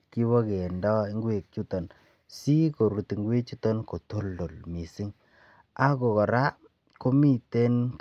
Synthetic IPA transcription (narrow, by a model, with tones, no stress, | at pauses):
ki˦wɔ˦ke˨ndɔ˦i˦ŋɡwe˨k̚t͡ʃu˦tɔ˨n | si˦ko˨ɾu˨ti˨ŋɡwe˦t͡ʃu˦tɔ˦nko˨to˦ldo˨lmi˨si˦ŋ | a˦ko˨kɔ˨ɾa˦ | ko˦mi˦te˦nk